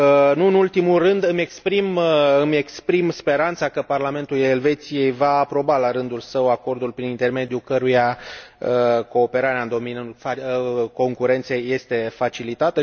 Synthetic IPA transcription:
nuɨnult̪imulrɨnd̪ɨme̞kspɾimɨme̞kspɾimspe̞ɾant̪sakəparlame̞nt̪ule̞lve̞t̪sije̞jvaːpɾo̞balaɾɨnd̪ulsəwako̞rd̪ulpɾinint̪e̞rme̞d̪jukəɾujaəko̞ːpe̞ɾaɾeaɨnd̪o̞minako̞ŋkuɾe̞nt̪se̞jːe̞st̪e̞fat͡ʃilit̪at̪ə

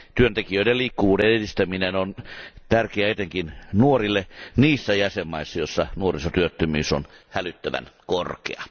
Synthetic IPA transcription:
t̪yønt̪ekijøideliːkːuʋuːdenedist̪æminenont̪ærkeæet̪eŋkinnuorilːeniːsːæjæsemːɑisːɑjosːɑnuorisot̪yøt̪ːømyːso̰nhælyt̪ːæʋæ̰nkorkḛɑ

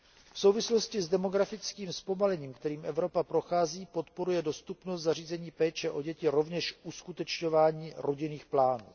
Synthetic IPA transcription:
fso̞wvɪslo̞scɪzdɛmo̞ɡɾafɪt͡skiːmspo̞malɛɲiːmkt̪ɛɾiːmʔɛvɾo̞papɾo̞xaːziːpo̞t̪po̞ɾujɛdo̞st̪upnost̪zar̝iːzɛɲiːpɛːt͡ʃɛʔo̞ɟɛcɪɾo̞vɲɛʃʔuskut̪ɛt͡ʃɲovaːɲiːɾʔo̞ɟɪniːxplaːnṵː

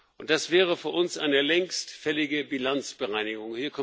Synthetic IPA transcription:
ʔʊnt̚d̥asv̥ɛːʁ̞əfyːɐʔʊnsʔa̰ɪnəlɛŋstfɛlɪɡəbilant͡sb̥əʁaɪnɪɡʊŋhiːɐkʰɔ

